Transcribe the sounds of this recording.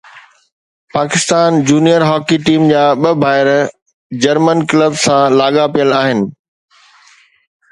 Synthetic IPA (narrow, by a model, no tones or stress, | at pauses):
paːkɪst̪aːnd͡ʑuːnijəɾɦɔːkiʈiːmd͡ʑaːɓəbʱaːɪɾ | d͡ʑɐɾmənkləbsãlaːɠapijəlaːɦɪnɪ̆